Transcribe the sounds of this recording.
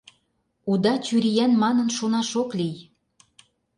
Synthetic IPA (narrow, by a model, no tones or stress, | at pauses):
ud̪ɑt͡ɕyɾijænmɑnɤ̆nʃonɑʃoklij